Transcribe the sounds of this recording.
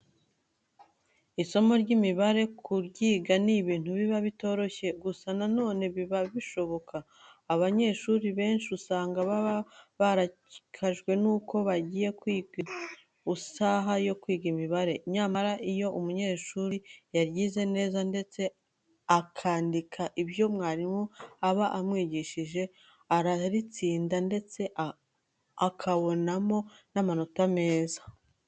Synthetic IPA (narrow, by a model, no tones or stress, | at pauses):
iso̞mo̞ɾɟimiβaɾe̞kʰuɾɟiːɡaniβiːn̥uβiβaβito̞ːɾo̞çe̞ɡusanano̞ːne̞βiβaβiʃo̞βo̞kaː | βaɲe̞ʃuɾiβe̞ːnʃiusaːŋɡaβaβaɾa | ikʰaʒɡwe̞nuːko̞βaɟiːje̞kwiːɡi | usaːɦajo̞kwiːɡimiβaɾe̞iɲamaɾaʔijo̞ʔumuɲe̞ːʃuɾijaɾɟiːze̞ne̞ːzande̞t͡se̞ | akʰaːndikʰaʔiβjo̞mŋaːɾimoaβaʔamŋiːɟiʃiʒe̞ | aɾaɾit͡siːndande̞t͡se̞ʔ | akʰaβo̞namo̞namanotame̞ːzḁ